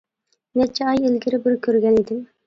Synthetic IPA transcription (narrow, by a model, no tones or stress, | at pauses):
nɛt͡ʃʰɛɑjelɡʲɪɾɪbɪɾkʲʰøɾɡʲɛned̪ɪm